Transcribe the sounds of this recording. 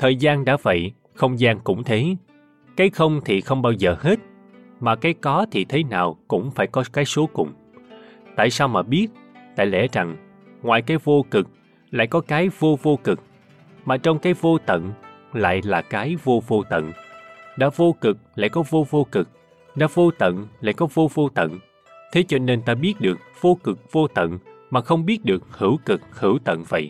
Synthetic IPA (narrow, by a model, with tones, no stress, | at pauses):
t̪ʰəː˨˩jzaː˧nɗa̰ː˧˥və̰˧˨j | xə˧wŋ͡mzaː˧nkʊ̰˧˥ŋ͡mt̪ʰe˨˦ | kaː˨˦jxə˧wŋ͡mt̪ʰi˨˩xə˧wŋ͡mɓaː˧wzəː˨˩he˦˥t̚ | maː˨˩kaː˨˦jkɔ˨˦t̪ʰi˨˩t̪ʰe˨˦naː˨˩wkʊ̰˧˥ŋ͡mfaː˧˩jkɔ˨˦kaː˨˦jso˨˦kʊ˨˩ŋ͡m | t̪a̰ː˧˨jsaː˧wmaː˨˩ɓi˦˥ət̚t̪a̰ː˧˨jlɛ̰˧˥za˨˩ŋ | ŋwaː˨˩jkaː˨˦jvo˧kɨ˨˩k̚ | la̰ː˧˨jkɔ˨˦kaː˨˦jvo˧vo˧kɨ˨˩k̚ | maː˨˩t͡ɕɔ˧wŋ͡mkaː˨˦jvo˧t̪ə̰˧˨n | la̰ː˧˨jlaː˨˩kaː˨˦jvo˧vo˧t̪ə̰˧˨nɗa̰ː˧˥vo˧kɨ˨˩k̚la̰ː˧˨jkɔ˨˦vo˧vo˧kɨ˨˩k̚ | ɗa̰ː˧˥vo˧t̪ə̰˧˨nla̰ː˧˨jkɔ˨˦vo˧vo˧t̪ə̰˧˨n | t̪ʰe˨˦t͡ɕɔ˧ne˧nt̪aː˧ɓi˦˥ət̚ɗɨ˨˩ək̚v̥o˧kɨ˨˩k̚v̥o˧t̪ə̰˧˨nmaː˨˩xə˧wŋ͡mɓi˦˥ət̚ɗɨ˨˩ək̚hɨ˧˩wkɨ˨˩k̚hɨ˧˩əwt̪ə̰˧˨nvə̰˧˨j